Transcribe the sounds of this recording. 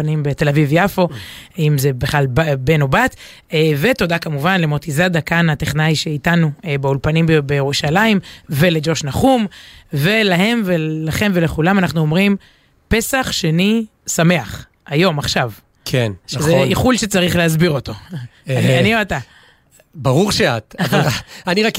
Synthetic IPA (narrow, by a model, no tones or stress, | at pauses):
nimbet̪e̞lavivjafo̞imzebeχlalbabenobat̪ | eve̞t̪o̞dakamuvanlemot̪izad̪akanat̪eχnajʃeitanuebeulpanimbebejeʁuʃalaimve̞led͡ʒo̞ʃnaχumve̞lahe̞mvelaχe̞mveleχulamanaχnuo̞mʁim | pe̞saχʃeni | same̞aχ | ajo̞maχʃav | kʰenzeiχulʃet͡saʁiχlehazbiʁo̞t̪o̞nanioat̪a | baʁuʁʃeat̪avalaaniʁak